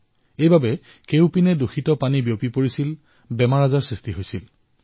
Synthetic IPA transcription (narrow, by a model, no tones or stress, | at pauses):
ejbabɛ | kewpinɛduxʰitɔpanibijopipoɹisil | bɛmaɹazaɹsɹistiɦojsil